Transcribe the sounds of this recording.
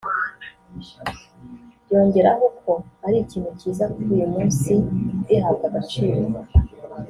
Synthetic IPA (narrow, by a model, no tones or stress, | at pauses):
jo̞ːɲɟe̞ɾaɦoko̞aɾiciːn̥uciːzakujumuːnsiɟiɦabɡaɡat͡ʃiːɾo